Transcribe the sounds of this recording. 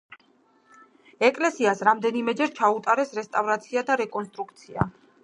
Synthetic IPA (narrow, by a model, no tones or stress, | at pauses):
ɛkʼlɛsiasɾamd̪ɛnimɛd͡ʒɛɾt͡ʃʰaut̪ʼaɾɛsɾɛst̪ʼavɾat̪sʰiad̪aɾɛkʼɔnst̪ʼɾukʰt̪sʰia̰